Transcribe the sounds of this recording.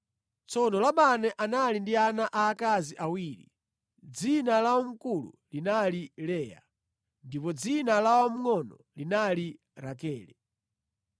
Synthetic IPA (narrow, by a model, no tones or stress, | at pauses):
t͡sɔnɔlaɓanɛʔanalindianaʔaːkaziʔawiːɾḭ | d͡zinalawɔm̩kulṵlinalilɛːja̰ | ndipɔd͡zinalawɔm̩ŋɔnɔ | linali | ɾakɛːlɛ